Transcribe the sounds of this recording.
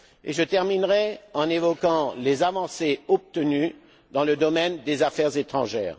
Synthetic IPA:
ḛʒət̪ɛʁminʁɛɑ̃nevɔkɑ̃lezavɑ̃seɔp̚t̪əny | d̪ɑ̃ləd̪ɔmɛnd̪ezafɛʁzet̪χɑ̃ʒɛ̰ːʁ

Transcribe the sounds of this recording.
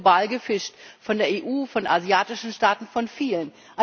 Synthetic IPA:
baːlɡəfɪʃtfɔndeːɐʔeːʔuːfɔnʔazjaːtɪʃn̩ʃtaːtn̩fɔnfiːlən | ʔa

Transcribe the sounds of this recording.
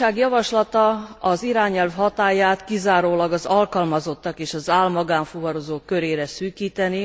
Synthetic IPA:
aːɡjɒvɒʃlɒt̪ɒɒziɾaːɲɛlvɦɒt̪aːjaːt̪kizaːɾoːlɒɡɒzɒlkɒlmɒzo̞t̪ːɒkeːʃɒzaːlmɒɡaːɱfuvɒɾozoːkːø̞ɾeːɾɛsyːkiːt̪ɛni

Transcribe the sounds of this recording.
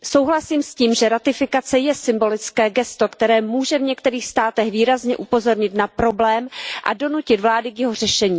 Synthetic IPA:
so̞wɦlasiːmsciːmʒɛɾat̪ɪfɪkat͡sɛjɛsɪmbo̞lɪt͡skɛːɡɛst̪o̞kt̪ɛɾɛːmuːʒɛvɲɛkt̪ɛɾiːxst̪aːt̪ɛxviːɾazɲɛʔupo̞zo̞ɾɲɪt̪napɾo̞blɛːmʔa̰do̞nucɪt̪vlaːdɪkjɛɦo̞r̝ɛʃɛɲiː

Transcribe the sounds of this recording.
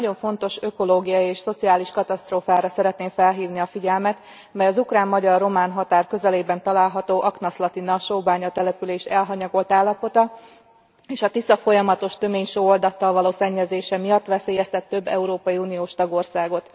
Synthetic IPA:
nɒɟo̞ɱfo̞n̪t̪o̞ʃø̞ko̞loːɡijɒieːʃso̞t̪sijaːliʃkɒt̪ɒst̪roːfaːɾɒsɛɾɛt̪neːmfɛlɦiːvniɒfiɟɛlmɛt̪ | mɛjɒzukraːmːɒɟɒrːo̞maːnɦɒt̪aːrkø̞zɛleːbɛnt̪ɒlaːlɦɒt̪oːʔɒknɒslɒt̪inɒʃoːbaːɲɒt̪ɛlɛpyleːʃɛlɦɒɲɒɡo̞lt̪aːlːɒpo̞t̪ɒ | eːʃɒt̪isɒfo̞jɒmɒt̪o̞ʃt̪ø̞meːɲʃoːold̪ɒt̪ːɒlvɒloːsɛɲːɛzeːʃɛmijɒt̪ːʋɛseːjɛst̪ɛt̪ːø̞bːɛ̰uɾoːpɒjiunijoːʃt̪ɒɡo̞rsaːɡo̞t̪

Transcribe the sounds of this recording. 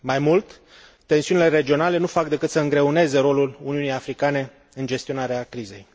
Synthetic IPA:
majmult̪ː | e̞nsiunile̞ɾe̞d͡ʒio̞nale̞nufak̚d̪e̞kɨt̪səɨŋɡɾe̞une̞ze̞ɾo̞luluniunijafɾikane̞ | ɨnd͡ʒe̞st̪io̞naɾeakɾize̞̰j

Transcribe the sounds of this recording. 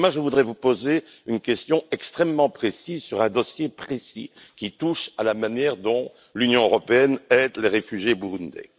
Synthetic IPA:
maʒəvud̪ʁɛvupozeynkʲɛst̪jɔ̃ɛkst̪χɛmːɑ̃pχesizsyʁɛ̃d̪ɔsjepχesḭkʲit̪uʃalamanjɛʁd̪ɔ̃ | lynjɔ̃øʁɔpeɛnɛd̪leʁefyʒjebuʁund̪ɛ̰

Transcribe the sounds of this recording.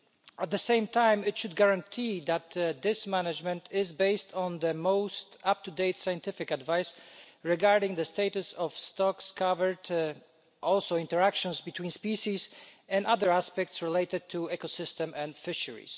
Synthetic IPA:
ʔæt̪̚d̪əsẽɪ̃mt̪ʰãɪ̃mɪtʃʊd̪̚ɡaɹãntʰiðæt̪ðɪsmænad͡ʒmɛ̃ntʰɪzbeɪstʰɔ̃n̩ðəmoʊstʌp̚t̪udeɪtsajɨ̃ntɪfɪkadvaɪsɹɛɡaɹdɪ̃ŋðəsteɪtusɔvstɔkskʰʌvə˞d | ʔɔlˠsoʊɪ̃ntəɹækʃɔ̃nzbit̪ʰwĩːnspiʃizɛ̃naðə˞æspɛk̚tsɹileɪtɨd̪̚t̪ʰuɛkosɪstɛ̃mɛ̃nfɪʃəɹḭs

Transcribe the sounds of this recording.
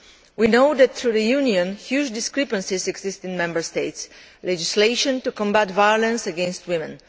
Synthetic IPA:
winoʊd̪æt̪θɹuðəjuniə̃nhjud͡ʒdɪskɹɛpə̃nsizɛɡz̥ɪstɪ̃nmɛ̃mbə˞steɪts | lɛd͡ʒisleɪʃɔ̃ntukɔ̃mbatvajɔlə̃nsəɡɛ̃nst̚wɪ̃mə̃n

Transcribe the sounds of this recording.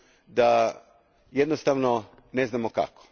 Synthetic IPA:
d̪a | jed̪nost̪aʋno | neznaːmoka̰ko̥

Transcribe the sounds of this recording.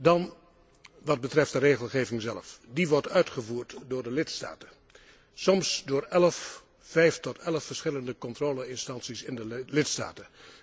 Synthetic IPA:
dɑn | ʋɑd̚bətrɛftdəreːχəlˠχeːvɪŋzɛləfdiʋɔɹtœɥtχəvuːɹtdʊːɹdəlɪtsta̰ːtə | sɔmsdʊːɹɛləfː | ɛjftɔtʰɛləfəɹsχɪləndəkɔntroːləɪnstɑnsisɪndəlɪtsta̰ːtə

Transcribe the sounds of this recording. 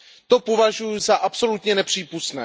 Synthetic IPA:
t̪o̞povaʒujuzaʔapso̞lut̪ɲɛnɛpr̝̥iːpust̪nɛ̰ː

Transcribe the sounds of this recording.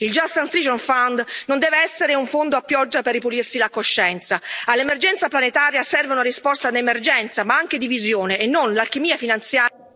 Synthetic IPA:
ild͡ʒast̪anst̪ɾid͡ʒɔnfand̪nond̪ɛːveɛsːeɾeuɱfond̪oapːjɔd͡ʒːaperːipulirsilakoʃːɛnt̪saalːemerd͡ʒɛnt̪saplanet̪aːɾjasɛrveunaɾispɔst̪ad̪emerd͡ʒɛnt̪samaaŋk̟ed̪ivizjoːneːnːonlalk̟emiːafinant̪sjaː

